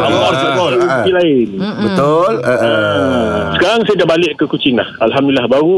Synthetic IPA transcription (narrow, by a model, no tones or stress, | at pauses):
alɔʔasakɔʔuilaɪnbət̪oləʔ | sə̥kaɾaŋsajadaʔbalɪʔkəkut͡ʃɪŋlahalɦamdulilːahbaɾu